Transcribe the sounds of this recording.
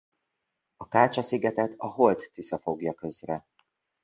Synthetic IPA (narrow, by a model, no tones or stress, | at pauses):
ɒkaːt͡ʃɒsiɡɛt̪ɛt̪ɒɦo̞lt̪ːʋisɒfo̞ɡjɒkø̞zrɛ